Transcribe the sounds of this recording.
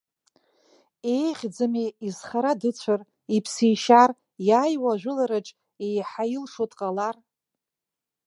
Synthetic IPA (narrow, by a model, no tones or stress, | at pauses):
ejʁʲd͡zɨmeizχaɾadɨt͡ɕʷʰar | ipʰsijʃar | jaːjwaʒᶣʷʊlaɾɨʈ͡ʂʼ | ejħajɪlʂotʼqʼalar